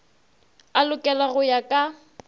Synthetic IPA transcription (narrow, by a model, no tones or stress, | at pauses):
alʊkʼɛlaɣʊjakʼa